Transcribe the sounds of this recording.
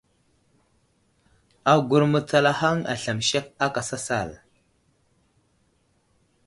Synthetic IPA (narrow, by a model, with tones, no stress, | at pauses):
a˨ɡu˨ɾmə˨t͡sa˨la˨ha˦ŋa̰˨ɬa˨mʃe˦ka˦ka˨sa˦sa̰˦˨l